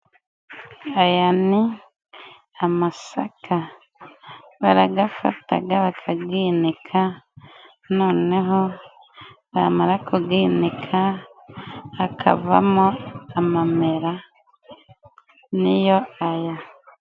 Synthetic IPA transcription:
ajani | amasakʰa | βaɾaɡafa̰ta̰ɡaβakʰaɡiːnikʰa | noːneɦo | βamaɾakuɡiːnikʰa | kʰa̰va̰moamameɾa | nijoaja

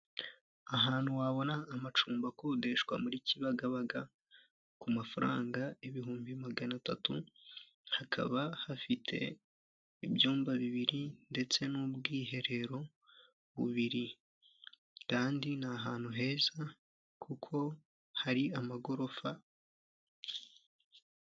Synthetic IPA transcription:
aɦaːn̥huwaβo̞naːmat͡ʃuːmbakode̞ʃkwa̰muɾiciβaɡaβaɡa | kumafaɾa̰ːŋɡaeβiɦuːmbimaɡanatatṵ | hakʰa̰βahafitʰe̞̰ | iβjuːmbaβiβiɾinde̞t͡se̞nubɡiːɦe̞ɾe̞ɾo̞ | βṵβiɾi | kaːndinaɦaːn̥huɦe̞ːza | kʰukʰo̞ | haɾiamaɡo̞ɾo̞fa

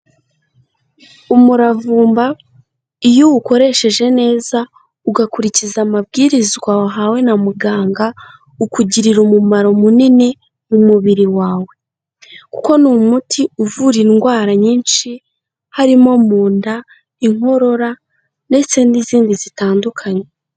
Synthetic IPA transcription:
umuɾavuːmba | ijuwuko̞ɾe̞ʃe̞ʒe̞ne̞ːza | uɡakuɾicizamabɡiːɾizɡwaɦawe̞namuɡaːŋɡa | ukuɟiɾiɾumumaɾo̞munine | mumuβiɾiwaːwe̞ | ku̥ko̞numutʰiuvuɾiŋɡwaːɾaɲiːnʃi | haɾimo̞muːnda | iŋ̥o̞ɾo̞ɾa | ne̞sendiziːndizitaːndukʰaɲe̞

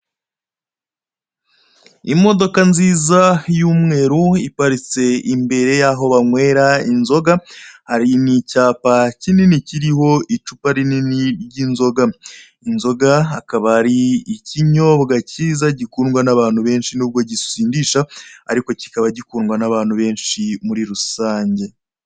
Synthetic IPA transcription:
imo̞do̞kanziːzajuːmŋe̞ːɾuipaɾit͡se̞imbe̞ɾe̞jaːɦo̞βaŋwe̞ːɾainzo̞ɡahaɾinicaːpacininiciɾiɦo̞it͡ʃupaɾininiɾɟinzo̞ɡa | inzo̞ɡaakaβahaɾiːciɲo̞βɡaciːzaɟikuːnɡwanaβaːn̥huβe̞ːnʃinuːβɡo̞ɟisiːndiːʃaa̰ɾiko̞ci̥kaβaɟikuːnɡwanaβaːn̥huβe̞ːnʃimuɾiɾusaːɲɟe̞

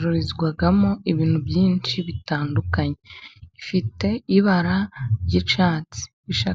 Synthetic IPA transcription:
ɾuɾizɡwaɡamo̞iβiːn̥hubjiːnt͡ʃiβitaːndukaɲeifite̞iβaɾajit͡ʃaːt͡si̥ | βiʃa

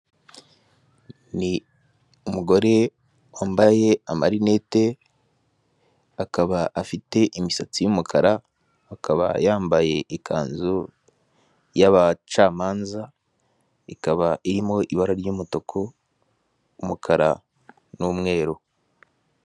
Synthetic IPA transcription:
ni | umuɡo̞ɾe̞ | waːmbaje̞amaɾine̞te̞ | akaβaʔafite̞ʔimisat͡sijumukʰaɾaː | kaβa̰jaːmbaje̞ʔːkʰa̰ːnzu | jaβat͡ʃaːmaːnza | ikaβaʔiɾimo̞ʔiβaɾaɾjuːmuto̞kʰo | mukʰaɾa̰ | nuːmŋe̞ːɾo

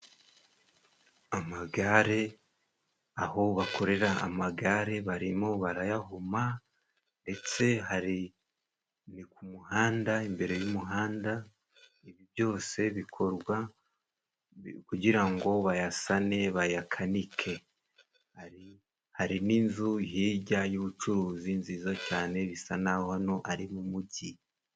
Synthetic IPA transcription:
amaɡaɾe̞ | aɦo̞βako̞ɾe̞ɾaa̰maɡaɾe̞βaɾimo̞βaɾajaɦuma | nde̞t͡se̞haɾi | nikumuhaːndaimbe̞ɾe̞jumuɦaːnda | iβiβjo̞ːse̞βikʰo̞ɾɡwa | kuɟiɾaŋɡo̞βajasane̞βajakʰanikʰe̞ | haɾi | haɾiniːnzuhiːɟajuβut͡ʃuɾuːzinziːzocaːne̞βisanahano̞ʔaɾimumuɟi

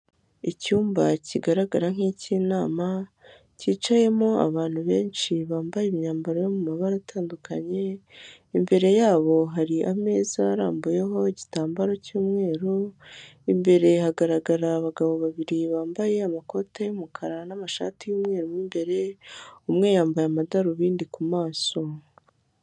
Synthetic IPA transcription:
icuːmbaciɡaɾaɡaɾaŋ̥hiːcinaːma | ciːt͡ʃaje̞mo̞a̰βaːn̥huβe̞ːnʃiβaːmbajemɲaːmbaɾojomumaβaɾatʰaːndukʰaɲe̞ | imbe̞ɾe̞jaːβo̞ɦaɾiʔame̞ːzaːɾaːmbuje̞ɦo̞eɟitaːmbaɾo̞cuːmŋe̞ːɾoimbe̞ɾe̞haɡaɾaɡaɾaːβaɡaβo̞βaβiɾiβaːmbaje̞amako̞tejumukʰaɾanamaʃa̰ːtijuːmŋe̞ːɾomiːmbe̞ɾe̞umŋe̞ːjaːmbajamadaɾuβiːndikumaːso̞

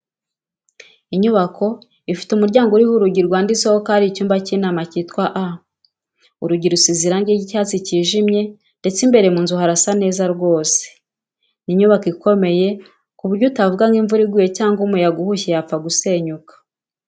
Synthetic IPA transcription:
iɲuβakʰo̞ | ifi̥tumuɾɟaːŋɡuɾihuɾuɟiɾɡwaːndizohokaɾicuːmbaciːnaːmacitkwaʔa | uɾuɟiɾusiziɾaŋɡiicaːt͡siciːʒimɲe̞ | nde̞t͡simbe̞ɾe̞muːnzuɦaɾasane̞ːzaɾɡo̞ːse̥ | niɲuβakiko̞me̞je̞ | kuβuɾɟutavuɡaŋɡiɱvuɾiɡwiːjecaːŋɡumujaɡuhuçejap͡faɡuse̞ɲukḁ

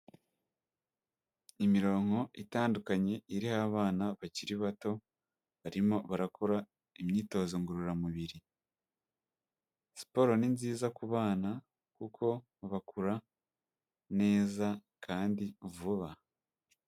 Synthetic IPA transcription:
imiɾo̞ːŋ̥ho̞itaːndukaɲe̞iɾihaβaːnaβaciɾiβato̞ | βaɾimo̞βaɾakʰoɾa | imɲiːto̞zoŋɡuɾuɾamuβiɾi | si̥po̞ɾo̞ninziːzakuβaːna | kukʰo̞ | βakuɾa | ne̞ːza | kʰaːndivuβa

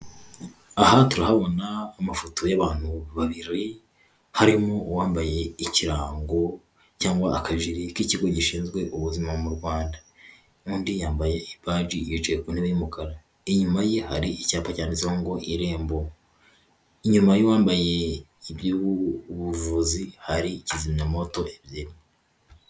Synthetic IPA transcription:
ahatuɾahaβo̞naːmafotʰo̞jaβaːn̥huβaβiɾi | haɾimowaːmbaje̞iciɾaːŋɡo̞ | caːŋɡwaːkaʒiɾikiciɡo̞ɟiʃiːnzɡwe̞ʔuβuzimamuɾɡwaːnda | uːndijaːmbaje̞ibaːd͡ʒijot͡ʃekuniβimukʰaɾa | iɲumajihaɾiʔicaːpacaːnizahoŋɡo̞ʔiɾe̞ːmbo̞ | iɲumajowaːmbaje̞ | ibjuβuvuzihaɾicizimɲamo̞to̞ebjeːɾe

